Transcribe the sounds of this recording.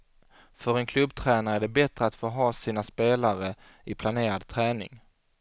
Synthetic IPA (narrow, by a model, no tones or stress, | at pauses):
fœɾɛnkʰlɵbːt̪ʰɾɛːnaɾəæɖɛbɛt̪ɾəat̪foːɦɑːsiːnaspeːlaɾə | ɪpʰlaneːɾad̪t̪ʰɾæːnɪ̰ŋ